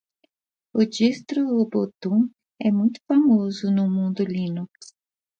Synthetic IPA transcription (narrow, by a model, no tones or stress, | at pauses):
ʊd͡ʒist̪ɾʊbot̪ũ | ɛmũj̃t̪ʊ̥famozʊnʊmũnd̪ʊlinuks